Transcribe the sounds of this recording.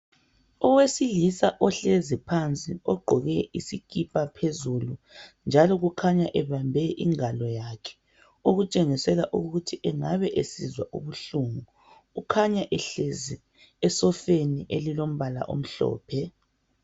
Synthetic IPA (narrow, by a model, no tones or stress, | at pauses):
ɔwesilisaʔɔɬezipʰant͡sʼiɔɡ͡ǃʱɔɣɛisikʼipʼapʰezulund͡ʒʱalɔɣukʰaɲaʔɛβambʱɛʔḭŋalɔjakʰɛ̥ | uɣut͡ʃʼeŋisɛlaʔuɣutʰiʔɛŋaβɛʔesizwaʔṵβuɬuŋu | ukʰaɲaʔɛɬezi | ɛsɔfeniʔelilom̩βala̰ʔo̰m̩ɬɔ̰ːpʰɛ